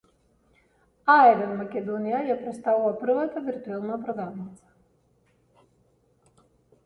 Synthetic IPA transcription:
aɛd̪ɛnmakʲɛd̪ɔnijajapɾɛt̪st̪avuvapr̩vat̪aviɾt̪uɛlˠnapɾɔd̪avnit̪sḁ

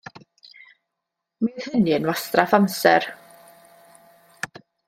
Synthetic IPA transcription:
mið̥hɪniənwastrafansɛr

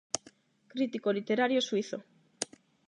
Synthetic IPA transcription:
kɾit̪ikolit̪eɾaɾjosuiθo̰

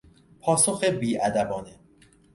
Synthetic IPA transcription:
pʰɒːsoxebiːʔæd̪æbɒːne

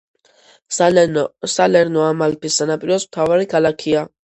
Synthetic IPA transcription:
salɛɾnɔamalpʰisːanapʼiɾɔsmt̪ʰavaɾikʰalakʰia

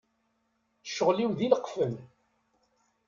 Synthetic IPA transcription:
ʃːəʁliwðiləqːfəm

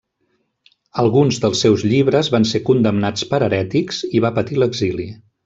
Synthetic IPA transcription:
əlˠɣunzðəlˠsːewzʎiβ̞ɾəzβansekund̪əmnat͡spəɾəɾɛt̪ikz̥iβapət̪iləɡzili

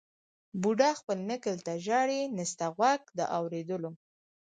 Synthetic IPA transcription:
buɖɑxpəlnɪkəlt̪aʒɑɽinɪst̪aɣwak̚d̪ə̰ʔawɾed̪əlo

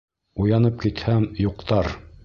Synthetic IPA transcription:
ujɑnɤp̚kit̪hæmjuqt̪ɑɾ

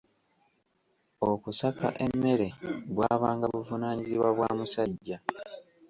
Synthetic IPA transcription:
okusaka̰ʔe̞mːe̞ɾe̞βwaːβaːŋɡaβuvunaːɲiziβwaβwa̰ːmusaɟːa

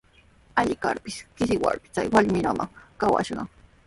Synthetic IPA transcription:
aʎɪka̰ɾpɪskɪsɪwaɾpɪ̥t͡sajwaʎmɪɾamaŋkawa̰ʃɢɑŋ

